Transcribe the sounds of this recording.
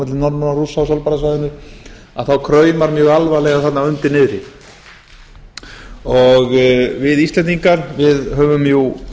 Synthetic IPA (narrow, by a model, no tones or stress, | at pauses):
ɛt̪lɪnɔɾmanarusawsɔlpaɾas̬aðɪnʏɾ | a̰ðθawkʰɾœːɥmaɾmjœːɣalvalɛɣaθat̪naʏnt̪ɪnɪðɾɪ | ɔɣvɪðist̪lɛnt̪iŋkaɾvɪðɦœːvʏmju